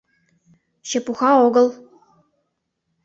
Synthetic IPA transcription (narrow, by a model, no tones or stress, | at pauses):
ɕĕpuxɑoɡɤ̆lˠ